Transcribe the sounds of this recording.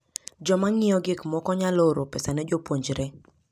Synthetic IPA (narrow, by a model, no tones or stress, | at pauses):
d͡ʒɔmaŋɪjɔɡɪkmɔkɔɲaloɾopɛsanɛd͡ʒopwoɲd͡ʒɾɛ